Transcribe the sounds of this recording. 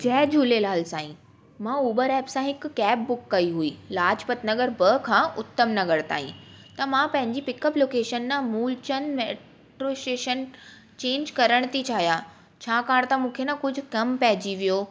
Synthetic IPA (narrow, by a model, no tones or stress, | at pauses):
d͡ʑɛɦd͡ʑʱuːlelaːlsaːḭ̃ | mãuːbəɾɛːpsãɦɪkːɛːp̚ːʊkːɐiɦuiːlaːd͡ʑpɐt̪nɐɠəɾbəkʰãːʔʊt̪ːəmnɐɠəɽt̪a̰ːɦḭ̃t̪ɐmãpɐ̃ɦɪ̃ɲd͡ʑipɪkəploːkeːʃənːãmuːlt͡ɕənmeː | ʈɾosʈeːʃən | t͡ɕẽːnd͡ʑkɐɾəɽ̃t̪it͡ɕʰaːɦijaː | t͡ɕʰaːkaːɽ̃t̪ãmũːkʰenɐkʊd͡ʑʱʊ̆kɐmpɐɦɪd͡ʑiʋijoː